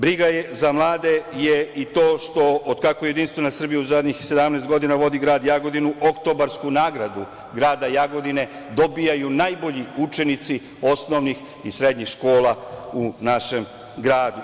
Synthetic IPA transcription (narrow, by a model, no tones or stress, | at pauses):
bɾiɡajezamlˠaːd̪e̞jeit̪o̞ːʃt̪o̞od̪kako̞jed̪inst̪ʋenasr̩bijauzad̪ɲixse̞d̪amneːst̪ɡo̞d̪inaʋo̞d̪iɡɾaːd̪jaɡo̞d̪inuʔokt̪o̞baɾskunaːɡɾad̪u | ɡɾaːd̪ajaɡo̞d̪ine̞d̪o̞bijajunajbo̞ʎiut͡ʃe̞nit̪si | o̞sno̞ʋnix | isɾe̞d̪ɲixʃko̞ːlaunaʃe̞m | ɡɾaːd̪u